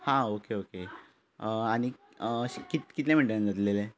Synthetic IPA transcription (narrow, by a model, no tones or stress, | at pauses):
hãokeoke | aɽ̃i | ɕkit̪kit̪lẽm̤əɳʈend͡zət̪lele